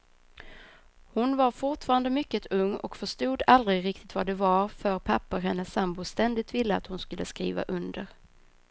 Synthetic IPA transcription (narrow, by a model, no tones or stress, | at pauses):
hʊnvaɾfʊʈfɑːɾand̪əmʏkːət̪ʰɵŋːɔ̰kfœʂʈuːd̪ald̪ɾɪɡɾɪk̚t̪ɪ̥t̪vaɖ̪ɛvaɾfœɾpʰapːəɔɦɛnːəsambʊst̪ɛnd̪ɪɡ̚t̪vɪlːəa̰t̪hʊnskɵlːəskɾḭːva̰ʔɵnd̪əɾ